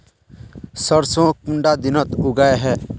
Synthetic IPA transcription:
səɾsõkʊ̃ɳɖad̪ɪnət̪ʊɡaeɦɛː

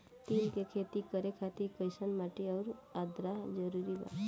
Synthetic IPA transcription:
t̪iːlkekʰet̪ikəɾekʰat̪iɾkəjsənmaʈeəɾad̪ɾad͡ʒəɾuɾiba̰

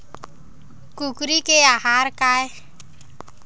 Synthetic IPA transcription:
kukɾikeahaɾkae

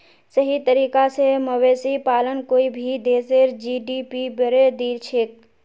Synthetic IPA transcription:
səɦit̪əɾiːkaseməʋeːsipaːlənkoːibʱid̪eːseɾd͡ʒiːɖipibəɾed̪iːɾt͡ʃʰeːk̚

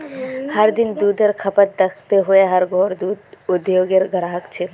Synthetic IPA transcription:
hɐɾd̪ɪnd̪uːd̪ʱəɾkʰɐpət̪̚d̪ɐkʰt̪eɦʊeɦɐɾɡʱɔːɾd̪uːd̪ʊd̪joːɡeɾɡəɾaːɦəkt͡ʃʰe

